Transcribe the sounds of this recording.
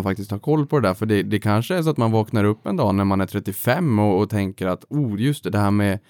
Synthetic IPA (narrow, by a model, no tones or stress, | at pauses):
nfak̚t̪ɪskt̪hɑːɾkʰɔlːpʰɔd̪ɛd̪æːɾfœɖɛd̪ɛkʰanʂəæɾʂ̬ɔat̪manvɑːknaɾɵpːɛnd̪ɑːnæɾmanæɾʈʰɾɛt̪ːɪfɛmːɔːt̪ʰɛŋkəɾat̪uːjɵst̪ɛd̪ɛhæːɾmɛ